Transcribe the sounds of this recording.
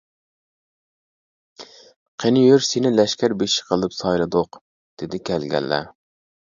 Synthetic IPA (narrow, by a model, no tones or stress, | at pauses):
qʰenjøɾsenɪlɛʃkʲæɾbeʃi̥qʰəlˠɨpsɑjlˠɨd̪ʊq | d̪̥ɪd̪ɪkʲʰælɡʲɛ̰lːɛ̰